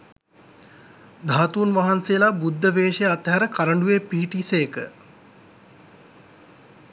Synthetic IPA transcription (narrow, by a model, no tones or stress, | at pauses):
d̪ʱaːt̪uːnʋaɦansejəlabud̪ʱːəʋeːʂejat̪ɦæɾəkaɾəɳɖujepiɦiʈisejəkə